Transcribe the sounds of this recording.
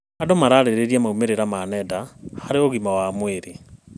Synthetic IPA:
adomaɾaɾeɾeɾjamaumeɾeɾamanɛdahaɾeoɣimawamweɾe

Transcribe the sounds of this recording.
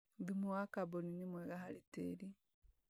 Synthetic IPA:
ðimuwakaboninimweɡaɦalitḛli

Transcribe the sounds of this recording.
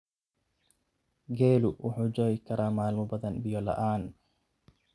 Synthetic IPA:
ɡɛːlʊwʔʊħuːd͡ʒɔːjkʰɐɾʔaːmaːlmɔbɐðɐnbɪjɔlɐ̰ʔaːn

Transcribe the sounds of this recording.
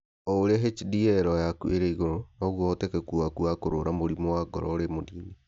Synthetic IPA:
ɔoɾeaɦet͡ʃidiɛɾɔjakueɾɛiɣoɾonɔɣwɔtɛkekuakuakoɾoɾamoɾimowaɡɔ̰ɾɔ̰oɾemodiːni

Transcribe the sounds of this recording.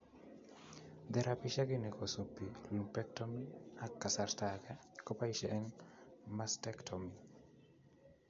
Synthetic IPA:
d̪ɛɾʔapiʃaɡinekosupilumpɛk̚tomiakːasartakɛkopaiʃɛʔːŋmastɛktʰɔmi

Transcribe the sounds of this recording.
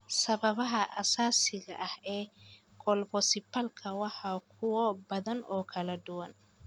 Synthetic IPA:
sɐβɐβɐɦɐʔɐsaːsɪɣɐ̰ʔɐhɛː | ɡʰɔlbɔsɪpʰɐlkʰɐwɑħɑːkʰʊwɔbɐðɐnɔːkʰɐlɐd̪ʊwɐn

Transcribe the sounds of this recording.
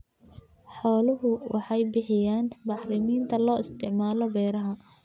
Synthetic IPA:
ħɔːlʊɦʊwʔɑħɑjbɪħɪjaːnbɑħrɪmiːnt̪ʰɐlɔːɪst̪ʰɪʕmaːlɔbɛːɾɐɦɐ

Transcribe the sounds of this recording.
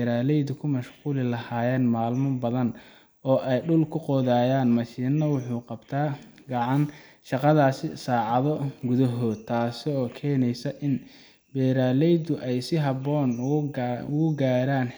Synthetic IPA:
ɾaːlɛjd̪ʊkʰʊmɐʃquːlɪlɐhaːjɛːnmaːlmɐbɐðɐn | ɔːʔɛjɖʊlkʰʊqɔːðaːjaːnmɐʃiːnːɐwʊħuːqɑbt̪ʰaː | ɡɑʕɑn | ʃɑqɑðaːsɪsaːʕɑðɔɡʊðɐɦɔːd̪t̪ʰaːsɪɔːkʰɛːnɛjsɐʔɪn | bɛːɾaːlɛjd̪ʊʔɛjsɪɦɐβɔːn | ʊʊɡaːɾaːn

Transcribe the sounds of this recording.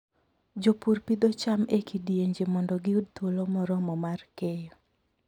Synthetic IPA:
d͡ʒopuɾpid̪ot͡ʃamekidjeɲd͡ʒemɔndɔɡɪud̚t̪wolomɔɾɔmɔmarkejɔ

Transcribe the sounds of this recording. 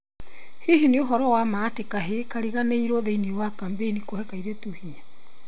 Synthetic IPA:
hiɦineoɦɔɾɔwamatekaɦekaɾiɣaneiɾɔðeiniwakambenikohɛkaiɾetuhia

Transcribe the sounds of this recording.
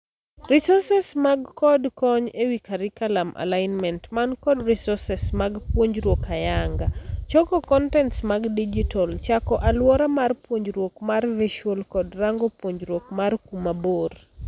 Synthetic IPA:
ɾisɔsɛsmaɡkɔdkɔɲewikaɾikalamʔa̰laɪnmɛntmankɔdrisɔsɛsmaɡpwoɲd͡ʒɾwokajaŋɡat͡ʃɔkɔkɔntɛntsmaɡdid͡ʒitʰɔlt͡ʃakɔʔalwɔɾamarpwoɲd͡ʒɾwokmarveʃolkɔdraŋɡopwoɲd͡ʒɾwokmarkumabor

